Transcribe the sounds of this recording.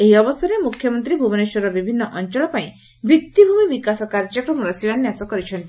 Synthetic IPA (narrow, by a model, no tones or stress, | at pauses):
eɦiɔbɔsaɾemukʰjɔmɔnt̪ɾibʱubɔneʃɔɾɔbibʱinːɔʔɔnt͡ʃɔɭɔpaĩ | bit̪ːibʱumibikasɔkaɾd͡ʒɔkɾɔmɔɾɔsiɽanjasɔkɔɾit͡ʃʰɔnt̪i